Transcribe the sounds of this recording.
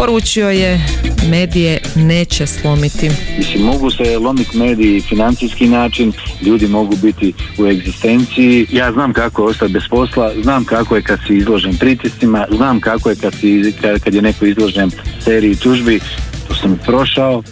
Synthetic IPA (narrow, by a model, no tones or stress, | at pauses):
po̞ɾuːt͡ʃio̞je̞me̞ːd̪ijene̞ːt͡ɕeslˠomit̪imislimːo̞ɡuselˠo̞mit̪meːd̪ijifinant̪sijskinaːt͡ʃinʎuːd̪imo̞ɡuːbit̪iue̞ɡzist̪e̞nt̪sijijaːznaːmkakojeo̞st̪at̪̚be̞spo̞slˠaznaːmkako̞jekad̪siizlˠo̞ʒenpɾit̪isimaznaːmkakojekad̪sikakad̪je̞neko̞izlˠo̞ʒenseːɾiit̪uʒbit̪oːsampɾo̞ʃao